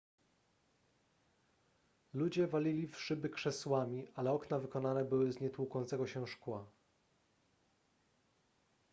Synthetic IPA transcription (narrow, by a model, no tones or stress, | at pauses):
lud͡ʑɛvalʲilʲifʂɘbɘkʂɛswamʲiʔalɛɔknavɘkɔnanɛbɘwɘzɲɛt̪wukɔnt̪sɛɡɔɕɛʂkwa